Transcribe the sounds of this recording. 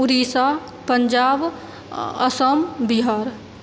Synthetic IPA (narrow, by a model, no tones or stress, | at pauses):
ʊɾiːsa | pəɲd͡ʒaːb | ə̰səmbiɦaːɾ